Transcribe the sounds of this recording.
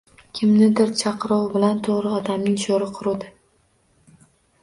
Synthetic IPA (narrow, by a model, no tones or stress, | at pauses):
kʲʰɪmnɪd̪ɪɾt͡ʃʰɑqɾɒwbɪlant̪ʰoʁɾɪɒd̪amnɪŋʃoɾɪqʰʊɾud̪ɪ